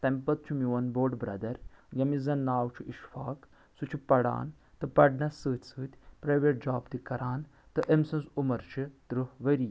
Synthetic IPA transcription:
t̪ɐmpɐt̪̚t͡ʃʰumiwɐnboːɾɖbɾɐ̰d̪ɐɾjɐmizɐnːaːwt͡ʃʰuʔiʃfaːk | sut͡ʃʰipɐɽa̰ːn | t̪ɨpɐɖnɐsɨːt̪ʰʲsɨːt̪ʲpɾaːjʋeʈ̚d͡ʒaːbt̪ikɐɾaːn | t̪ɨʔemsɐ̃nsumɐɾt͡ʃʰit̪ɾɨʋɐɾi

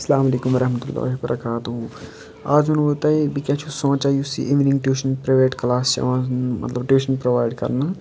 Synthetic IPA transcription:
sɐlaːmɐleːkumɐɾɐɦmət̪ulːa̰ːɦibɐɾʔɐ̰kaːt̪ɦu | aːd͡ʒonot̪aebikɛːt͡ʃʰusõːt͡ʃaːjusḭʔiʋnĩŋɡʈuːʃənpɾɐʋeːʈklaːst͡ʃɐ̰ʋãmɐ̰t̪ləbʈuːʃənpɾoʋaːɪɖkɐ̰ɾna

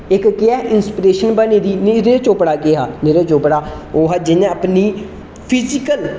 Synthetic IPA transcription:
ɪkkɪɛːʔɪnspɾeːʃənbəneːd̪iːnɪɾeːt͡ʃoːpɽaːkeːɦaːnɪɾeːt͡ʃoːpɽaː | oːɦaːd͡ʒɪñəpniː | pʰɪzɪkəl

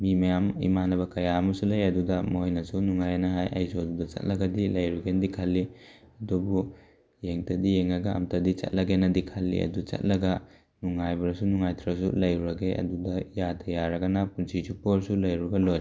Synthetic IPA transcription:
mimɐjamḭmanɐbɐkɐjamɐsulɐjɐdudɐmojnɐsunuŋajɐnɐɦajʔɐ̰jsoɐdudɐt͡ʃɐ̰t̚lɐɡɐdilɐjɾuɡendikʰalːi | ɐdubu | jeŋtʰɐdijeŋɐɡaɐ̰mtɐdit͡ʃɐ̰t̚lɐɡenɐdikʰalːḭɐ̰dut͡ʃɐ̰t̚lɐɡɐ | nuŋajbɐɾɐsunuŋajt̪ʰɾɐs̬ulɐjɾuɾɐɡeʔɐ̰dudɐjatʰɐjaɾɐɡɐnapunsit͡ʃupoɾsulɐjɾuɡɐloj

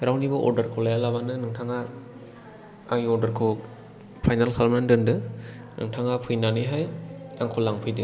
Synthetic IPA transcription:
ɾawnibɯʔɔ̰ɾdɐɾkʰolajalabanɯnɯŋtʰaŋa | aŋiɔɾdɐɾkʰo | pʰajnalkʰalmandɯndɯ | nɯ̰ŋtʰaŋapʰɯjnanɯjɦajaŋkʰolaŋpʰɯjdɯ

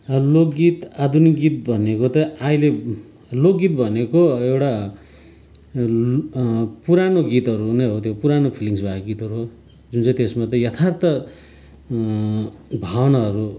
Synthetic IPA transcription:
lokɡit̪ad̪ʱuniɡit̪̚bʱʌnekot̪ʌaile | lokɡit̪̚bʱʌnekoewʈa | puɾanoɡit̪ɦʌɾunʌjɦot̪ʰjopuɾanopʰiliŋsbʱakoɡit̪ɦʌɾuɦo | d͡zunt͡sʌ̃t̪esmat̪̬ʌjʌt̪ʰart̪ʌ | bʱawnaɦʌɾu

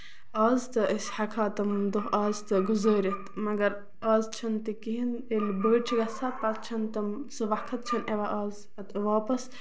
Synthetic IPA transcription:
aːzt̪ɨʔisʲħɐkʰaːt̪ɐmd̪oɦaːzt̪ɨɡuzəːɾʲit̪mɐɡɐɾ | ɐːzt͡ʃʰɐnt̪ikiɦinelbəːʈ̚t͡ʃʰiɡɐsɐːt̪̚pɐtt͡ʃʰɐnt̪ɐmsɨʋɐkʰɐt̪̚t͡ʃʰɐneʋaʔɐːz | ɐt̪ʋaːpɐs

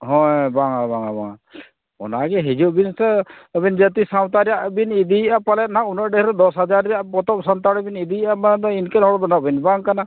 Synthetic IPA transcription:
ɦɔ̃jbaŋabaŋaba̰ŋa | ɔ̰naɡɛɦid͡ʒuʔbinsɛbɛnd͡ʒət̪isawt̪aɾɛjaʔbinid̪iʔapalɛt̪̚naʔunɔʔɖɛhɾɛd̪ɔsɦad͡ʒaɾːɛjaʔpɔt̪ɔp̚sant̪aɽɔbinid̪iʔamand̪ɔinkɛnɔɽɔbɔnɔʔbinbaŋkana

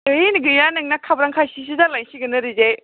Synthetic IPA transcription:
ɯjnɡɯjanɯŋnakʰabɾaŋkʰasis̬izalajŋsiɡɯnɯɾize

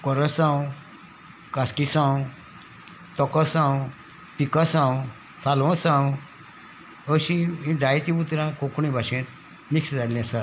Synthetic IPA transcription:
kɔɾəsãw | kaskisãw | t̪ɔkɔsãwũ | pikasãw̃ | salʋɔ̃sãw | əɕiĩd͡zajt̪ĩbut̪ɾãkokɳĩbʱaɕẽt̪̚ | miksd͡zalasa

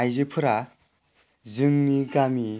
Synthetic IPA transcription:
ajzɯpʰɯɾa | zɯŋniɡami

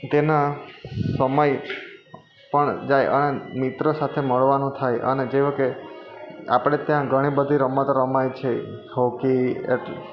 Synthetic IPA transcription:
t̪ena | səməj | pəɳd͡ʒajʔə̰nemɪt̪ɾəsat̪ʰeməɭʋanũt̪ʰajʔə̰ned͡ʒeʋke | a̰pɽ̃et̪jãɡʱəɽ̃ibəd̪ʱiɾəmət̪ɾəmajt͡ʃʰeɦokiḛʈ

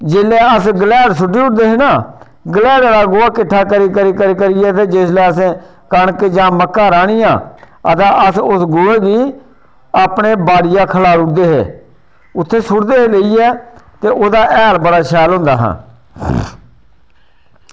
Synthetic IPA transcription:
d͡ʒeːleːəsɡəlɛːɽsʊʈʰːiːʊʈd̪eːɦɪnaː | ɡəlɛːɽaːɾaːɡʊaːkɪʈʰːaːkəɾiːkəɾiːkəɾiːkəɾijɛːt̪eːd͡ʒesleːəs̬ẽː | kəɳkd͡ʒãːməkːãːɾaːɽijãː | ət̪ãːʔəsʊsɡʊːeːɡiː | aːpɽeːbaːɽɪjãːkʰəlaːɾʊʈ̚d̪eːɦḛː | ʊt̪ʰːeːsʊɽd̪eːɦeleiːɛːt̪eːʔoːd̪aːʔɛːlbəɽaːʃɛːlɦʊ̃ːnd̪a̰ːɦã̰ː

